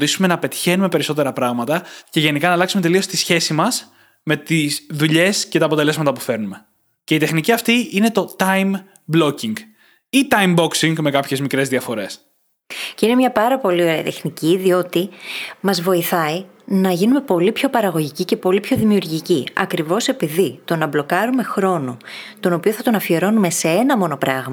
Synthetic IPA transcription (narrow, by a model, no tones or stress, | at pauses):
t̪isume̞nɐpe̞t̪i̥çe̞nume̞pe̞ɾiso̞t̪e̞ɾɐpɾɐɣmɐt̪ɐce̞ʝe̞nikɐnɐlɐksume̞t̪̬e̞lio̞st̪isçe̞simɐs | me̞t̪izðuʎe̞sce̞t̪ɐːpo̞t̪e̞le̞zmɐt̪ɐpufe̞ɾnume̞ | ce̞it̪exniciɐft̪iine̞t̪o̞t̪ɐjm | blo̞ciŋɡ | it̪ɐjmbo̞ksiŋɡme̞kɐpçe̞zmikɾe̞zðiɐfo̞ɾe̞s | ceine̞mɲɐpɐɾɐpo̞lio̞ɾeɐ̰t̪e̞xniciðio̞t̪imɐzvo̞iθɐi | nɐʝinume̞po̞lipço̞pɐɾɐɣo̞ʝicice̞po̞lipço̞ðimiuɾʝiciɐ̰kɾivo̞se̞piðit̪o̞nɐblo̞kɐɾume̞xɾo̞not̪o̞no̞pio̞θɐt̪o̞nɐfie̞ɾo̞nume̞se̞e̞nɐmo̞no̞pɾɐɣmɐ